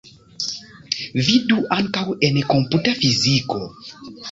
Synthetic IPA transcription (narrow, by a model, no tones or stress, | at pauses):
viduʔankawuʔɛnɛkɔmputafizikɔ